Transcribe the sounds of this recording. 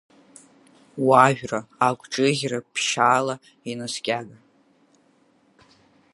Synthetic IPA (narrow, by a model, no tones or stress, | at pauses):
waɥʒᶣraakʷʰʼʈ͡ʂʼɨɣʲrapʰʃaːla | inaskʲʼaɡa